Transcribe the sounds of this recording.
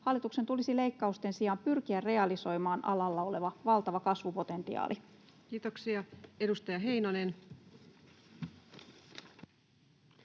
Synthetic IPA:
hɑlːit̪uksent̪ulisile̞jkːɑust̪e̞nsiɑmpyrk̟iærre̞ɑliso̞jmɑːnʔɑ̰lɑlːɑo̞le̞ʋɑʋɑlt̪ɑʋɑkɑsʋupo̞t̪e̞nt̪ḭɑ̰ːlʔi | kiːt̪oksiɑe̞dust̪ɑjɑɦe̞jnɑnen

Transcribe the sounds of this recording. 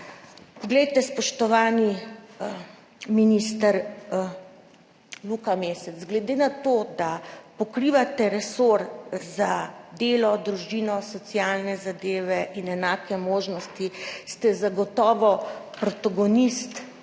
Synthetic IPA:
pɔɡlɛjt̪ɛspɔʃt̪ɔʋaːni | minist̪aɾ | lukameːsɛzɡlɛd̪eːnat̪od̪apɔkɾiʋat̪ɛɾɛsoɾzad̪eːlɔd̪ɾuʒinɔsɔt̪sijaːlnɛzad̪eːʋɛʔinɛnaːkɛmoːʒnɔst̪ist̪ɛzaɡɔt̪ɔːʋɔpɾɔt̪aɡɔnist̪

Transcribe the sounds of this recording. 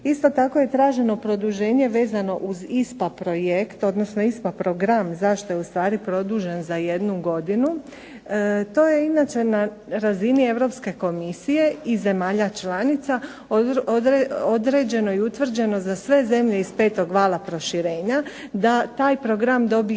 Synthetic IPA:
ist̪o̞t̪ako̞je̞t̪ɾaːʒe̞no̞pɾo̞d̪uʒe̞ːɲe̞ʋe̞ːzano̞ʔuzispapɾo̞jekt̪o̞d̪nosno̞ispapɾo̞ɡɾamzaʃt̪o̞jeust̪ʋaːɾipɾo̞d̪uːʒe̞nzaje̞d̪nuɡo̞d̪inu | t̪o̞ːje̞inat͡ʃe̞na | ɾazinie̞ʋɾo̞pske̞ko̞misije̞ize̞maːʎat͡ʃlˠanit̪sa | oeod̪ɾed͡ʑe̞no̞iut̪ʋr̩d͡ʑe̞no̞zasʋe̞ze̞mʎe̞ispe̞ːt̪o̞ɡʋaːlˠapɾo̞ʃiɾeːɲad̪at̪aːjpɾo̞ɡɾamd̪o̞bi

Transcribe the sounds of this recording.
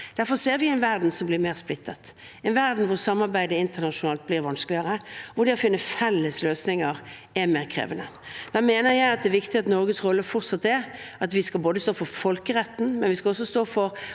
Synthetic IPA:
d̪̥æɾfɔɾseːɾʋɪɛɪnʋæɾd̪n̩sɔmblɪɾmeːʁsplɪt̪ʰːət̪ | ɛɪnʋæɾd̪n̩ʋʊsɑmːɑɾbæɪd̪əɪnt̪ənɑʃʊnɑːlt̪̚blɪɾʋɑnsklɪəɾəʋʊd̪ɛɔfɪnːəfɛlːəsløːsnɪŋəʁ | ɛɾmeːʁkʰɾḛːʋənəd̪̥æːmeːnəɾjæɪɑt̪̚d̪ɛːʋɪkt̪ɪɑt̪nɔɾɡət̪sʁɔlːəfʊʁt̪sɑt̪ːɛɑt̪ʋɪskɑlboːd̪əst̪oːfɔɾfɔlkəɾɛt̪ːn̩mɛnʋɪskɑɔs̬ːɔst̪oːfɔɾ

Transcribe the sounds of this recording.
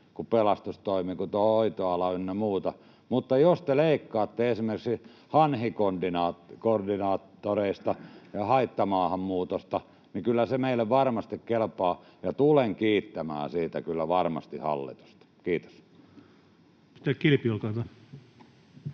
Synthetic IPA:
kupelɑst̪ust̪oimikut̪oit̪oɑlɑynːemuːt̪ɑ | mut̪ːɑjost̪eleikːɑːt̪ːeesimerkiksi | hɑnhikondinɑːkordinɑːt̪ːoreist̪ɑjɑhɑit̪ːɑmɑːhɑmmuːt̪ost̪ɑ | nikylːæsemeilːeʋʋɑrmɑst̪ikkelpɑː | jɑt̪uleŋkiːt̪ːæmæ̰ːsiːt̪æ̰kylːæʋɑrmɑ̰st̪ihɑ̰lːḭt̪u̥st̪ɑ̥kiːt̪o̥s | i̥t̪ækkilpiolkɑit̪ɑ

